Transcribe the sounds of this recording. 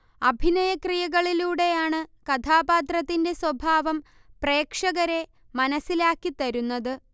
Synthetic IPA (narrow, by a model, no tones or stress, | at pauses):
ɐbʱinɐjɐkrijɐɣɐɭiluːɽe̞jaːɳɨkɐt̪ʰaːbaːt̪rɐt̪ːinde̞swɐbʱaːʋɐm | pre̞ːkʂɐɣɐɾe̞ | mɐnɐsːilaːkːit̪ɐɾunːɐðɨ